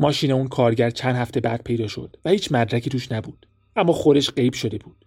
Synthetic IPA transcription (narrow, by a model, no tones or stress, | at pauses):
mɒːʃiːneunkʰɒːɾɟæɾt͡ʃʰænd̪hæft̪ʰe̞bæd̪̚pʰe̞jd̪ɒːʃo̞̰d̪̥væhiːt͡ʃʰmæd̪ɾæcʰiːt̪uːʃnæbuːd̪̥ | ʔæmːɒːxo̞d̪e̞ʃɢe̞jbʃo̞d̪e̞buːd̪̥